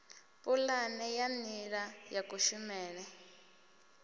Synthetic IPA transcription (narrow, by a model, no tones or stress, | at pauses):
pʼulanɛjamiɺajakuʃumɛːnɛ